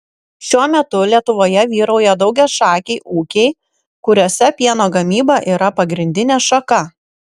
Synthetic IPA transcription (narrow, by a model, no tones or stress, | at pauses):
ʃʲuɔmʲɛt̪ʊlʲiɛt̪ʊʋoːjɛʋʲiːɾɐʊjɛd̪ɒʊɡʲɛʃɑːkʲeɪʔuːkʲɛɪ | kʊɾʲoːsʲɛpʲiɛnoːɡɐmʲiːbɑʔiːɾɐpɐɡɾʲɪnʲd̪ʲɪnʲeːʃɐkɐ